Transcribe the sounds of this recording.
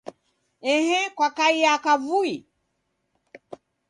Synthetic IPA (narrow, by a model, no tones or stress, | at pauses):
ɛɦɛkwakaijakavui